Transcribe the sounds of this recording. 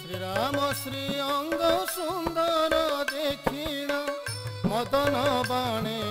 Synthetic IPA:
sɾiɾamɔsɾiɔŋɡɔsund̪ɔɾɔd̪ekʰiɽ̃ɔmɔd̪ɔnɔbaɽ̃e

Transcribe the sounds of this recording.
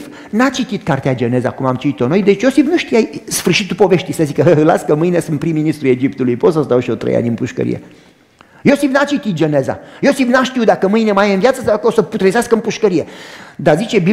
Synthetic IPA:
f | nat͡ʃit̪it̪kart̪ead͡ʒene̞za̰kumamt͡ʃit̪it̪o̞no̞jd̪e̞t͡ʃjo̞sifnuʃt̪ijasfɨrʃit̪upo̞ve̞ʃt̪ijsəzikəɦəɨla̰skəmɨjnesɨnt̪pɾimːinist̪ɾue̞d͡ʒipt̪ulujpot̪səzd̪awʃiot̪ɾḛja̰nʲɨnpuʃkə̰ɾḭjḛ | jo̞sifnat͡ʃit̪it̪̚d͡ʒene̞za̰josifnaʃt̪iwd̪akəmɨjnemajənvjat̪səsaw̪akəosəput̪ɾezaskəɨmpuʃkəɾijed̪azit͡ʃebi

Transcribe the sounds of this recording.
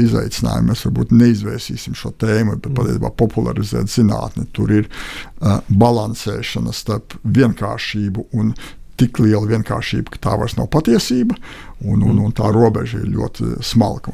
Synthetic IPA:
iza̰jt̪sɪna̰ːjṵmmɛsʋaɾbṵːt̪nɛizʋɛːsiːsimʃuɔt̪eːmubɛt̪̚pat̪ʲieɛsʲiːba̰ːpɔpʰulˠa̰ɾizɛ̰ːt̪z̥ina̰ːt̪nɪt̪uɾiɾ | balˠansɛːʃɐnɐst̪aɾpvʲiɛnka̰ːɾʃiːbuʔun | t̪iklˠiɛlˠʋʲiɛnka̰ːɾʃḭːbukḁt̪a̰ːʋa̰ɾsna̰wpat̪iɛsiːbɐ | unununt̪aːɾuɔbɛ̰ʒɐḭɾlʲṵɔt̪isma̰lˠɡ

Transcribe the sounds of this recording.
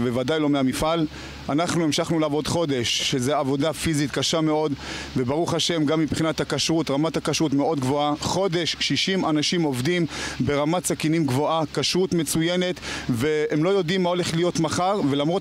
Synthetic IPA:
vevadajlo̞meamifal | anaχnuimʃaχnuleavo̞d̪χo̞d̪e̞ʃːezeavo̞dafizit̪kaʃame̞o̞d̪vebaʁuχaʃe̞mɡamːipχinat̪hakaʃʁut̪ʁamatakaʃʁutmeʔo̞d̪ɡvo̞aχo̞d̪e̞ʃːiʃimanaʃimo̞vdimbe̞ʁamatsakinimɡvo̞ʔakaʃʁut̪me̞t͡sujene̞t̪ve̞emlo̞jo̞dimːao̞le̞χlijo̞t̪maχaʁvelamʁo

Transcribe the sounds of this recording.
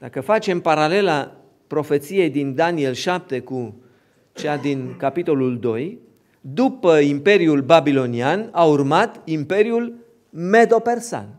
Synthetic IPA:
d̪̥akəfat͡ʃe̞mpaɾale̞la | pɾo̞fe̞t̪sije̞jd̪ind̪anie̞lʃap̚t̪e̞ku | t͡ʃead̪inkapit̪o̞luld̪o̞j | d̪upəimpe̞ɾiulbabilo̞nianaurmat̪impe̞ɾiul | me̞d̪o̞pe̞rsa̰n

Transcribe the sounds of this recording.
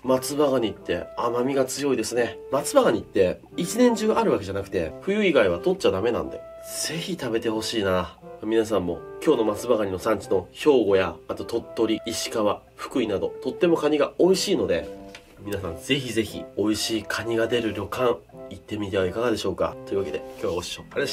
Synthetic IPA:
mat͡sɨbaɣaɲ̟it̪ːe̞̰amamʲiɡat͡sɨjo̞id̪e̞sɨne̞mat͡sɨbaɣaɲ̟it̪ːe̞ | it͡ɕinẽ̞ɲ̟d͡ʑɨːʔaɾɯ̟β̞ake̞ʑanakɯ̟t̪e̞̰ɸɯ̟jɯ̟iɡaiβ̞at̪o̞tt͡ɕad̪ame̞nã̰nd̪e̞̰ | z̥e̞çit̪abe̞t̪e̞ho̞ɕiːnamʲinas̬ãmːo̞kʲo̞ːno̞mat͡sɨbaɣaɲ̟ino̞sãɲ̟t͡ɕi̥no̞ço̞ːɡo̞jaat̪o̞t̪o̞t̪ːo̞ɾʲiiɕi̥kaβa | ɸɯ̟̥kɯ̟inad̪o̞̰t̪o̞t̪ːe̞mo̞kaɲ̟iɡao̞iɕiːno̞d̪e̞ | mʲinas̬ã̰nd͡ze̞çize̞çḭo̞iɕiːkʰaɲ̟iɡad̪e̞ɾɯ̟ɾʲo̞kãɰit̪ːe̞mʲit̪e̞βaikaɡad̪e̞ɕo̞ːka̰t̪o̞jɯ̟βake̞d̪e̞kʰʲo̞ːβoɕi̥oaɾee

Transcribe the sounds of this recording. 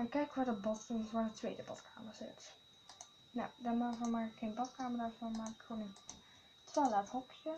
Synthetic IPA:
akːɛjkʋaːdəbɔtənsʋaːdətʋejdəbɑ̰tkʰa̰ːməɹz̥ɪ̰t | na̰wdamavɔnmakɪkxenbɑtkaːməɹrdaɹvɔnmaːrɪkχoːnən | tɛlathɔkjə

